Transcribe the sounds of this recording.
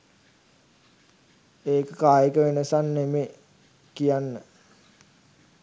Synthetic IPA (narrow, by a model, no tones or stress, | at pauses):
eːkəkaːjekəʋenəsanːeme | kijanːə